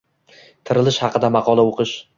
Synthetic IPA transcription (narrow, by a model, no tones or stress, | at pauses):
t̪ʰɪɾɪlɪʃhɑqʰɨd̪amɑqʰɒlˠaoqʰɨʃ